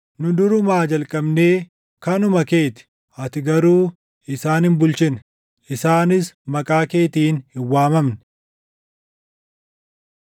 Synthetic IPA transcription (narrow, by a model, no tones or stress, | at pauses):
nʊd̪ʊɾʊmaːd͡ʒɐlkʼɐbne̞ː | kɐnʊmɐke̞ːt̪ɪ̥ | ɐt̪ɪɡɐɾuː | ɪsaːnɪmbʊlt͡ʃɪn | ɪsaːnɪsmɐkʼaːke̞ːt̪iːnhɪwːaːmɐmnɪ̥